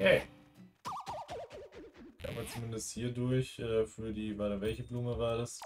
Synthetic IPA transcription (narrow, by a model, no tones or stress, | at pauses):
ɛ | ka̰ːbɐt͡sumɪndəsthiːɐdʊɐçʔɛːfyːɐdiːvaːɐdaːvɛlçəbluːməvaːɐdas